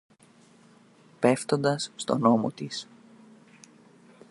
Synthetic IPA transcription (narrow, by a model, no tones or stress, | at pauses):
pe̞ft̪o̞nd̪ɐsːt̪o̞̰no̞mo̰t̪is